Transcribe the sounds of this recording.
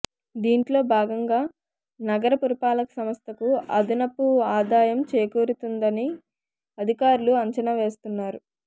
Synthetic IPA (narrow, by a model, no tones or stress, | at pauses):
d̪iːɳʈlo̞ːbʱaːɡɐŋɡaː | nɐɡɐɾɐpuɾipaːlɐkɐ̥sɐmɐst̪ɐkuɐd̪inɐpːuaːd̪aːjɐmt͡ʃeːkuːɾut̪und̪ɐni | ɐd̪ʱikaːɾuluɐɲt͡ʃɐnɐʋe̞ːst̪unːaːɾu